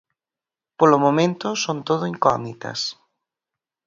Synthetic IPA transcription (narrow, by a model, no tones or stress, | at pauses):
polomomẽnt̪ʊsont̪oðʊiŋkɔmit̪ɐ̰s